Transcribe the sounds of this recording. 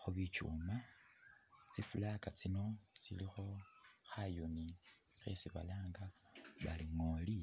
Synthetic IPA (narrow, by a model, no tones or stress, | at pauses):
xuβit͡ʃṵma | t͡sifulakat͡sino̞t͡sḭlixo̞xajuni | xḛsiβa̰laːŋɡaβa̰liŋoli